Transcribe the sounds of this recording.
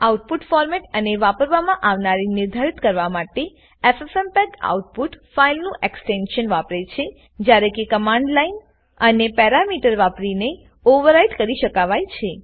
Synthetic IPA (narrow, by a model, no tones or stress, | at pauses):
auʈ̚puʈfɔɾmɛʈəneʋapəɾʋamãʔaʋnaɾinɪɾd̪ʱaɾit̪kəɾʋamaʈe | efɛfɛmpɛka̰uʈ̚puʈfailnũʔeksʈenʃənʋapɾet͡ʃʰe | d͡ʒjaɾekekəmãɳɖlain | ənepɛɾamiʈəɾʋapɾine | oʋəɾaiʈkəɾiʃəkaʋajt͡ʃʰe